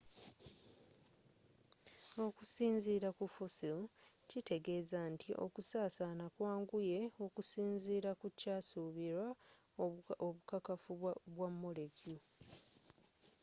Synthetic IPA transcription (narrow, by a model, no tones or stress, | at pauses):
o̞kusiːnziːɾakufusiocite̞ɡe̞ːzantʰiʔo̞̰kusaːsanakwaːŋɡuje̞o̞kusiːnziːɾakucaːsuːβiɾwa | oukakafuβwamːo̞le̞ɟju